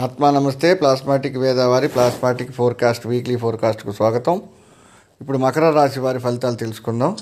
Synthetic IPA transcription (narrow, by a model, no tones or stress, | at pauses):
aːt̪maːnɐmɐst̪e̞ːplaːsmaːʈikʋɛːd̪aːʋaːɾiplaːsmaːʈikpʰoːɾkaːsʈʋiːkliːpʰoːɾkaːsʈkusʋaːɡɐt̪ɐm | ipːuɽumɐkɐɾɐɾaːsiʋaːɾipʰɐlit̪aːlut̪elusu̥kunːaːm